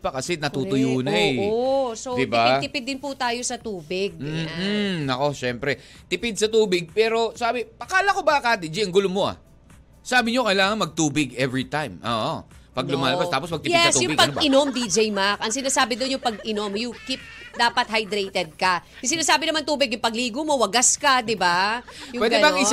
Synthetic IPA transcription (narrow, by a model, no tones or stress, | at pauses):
pɐkɐsɛnɐt̪uːʊjuːnɐjsod̪ɪtb̪ɪaɪd̪ɪpɪd̪ːɪnpʊt̪aːjo̞sɐt̪uːbɪɡ̩̚ | ɐko̞ʃɛmpɾɛ | t̪ɪpɪd̪̚sɐt̪uːbɪɡ̚pɛːɾo̞saːbɪpɐkaːlɐko̞bɐkad̪ɪd͡ʒiʔɐŋɡʊlomoʔɐ̰ | saːbɪɲo̞kɐjlaːŋɐŋmɐɡ̚t̪uːbɪɡʔɛvɹit̪ajmʔo̰ːʔo̰pɐɡ̚lʊmaːlɐbast̪aːpos̬mɐɡ̚t̪ɪjɛɪssjʊpɐɡɪnomd̪id͡ʒɛjmakɐŋsɪnaːsaːbɪd̪onjʊŋpɐɡʔɪno̞mjʊŋkip̚d̪aːpɐt̪̚hɐjd̪ɾɛjt̪ɛd̪̚kɐjʊŋsɪnaːsaːbɪnɐmant̪uːbɪɡjʊŋpɐɡliːɡʊmo̞wɐɡaskɐd̪ɪbajʊwɛɡd̪ɛbɐɪ